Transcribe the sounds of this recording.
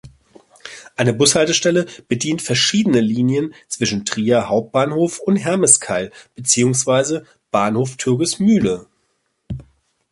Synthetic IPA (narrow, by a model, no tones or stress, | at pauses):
ʔaɪnəbʊshaltəʃtɛləb̥ədiːntfɛɐʃiːdənəliːnjənt͡sv̥ɪʃn̩tʁ̥iːɐhaʊp̚t̚b̥aːnhoːfʊntɦɛɐməskʰaɪlb̥ət͡siːʊŋsv̥aɪzə | b̥aːnhoːftʰʏɐkɪsmyːlə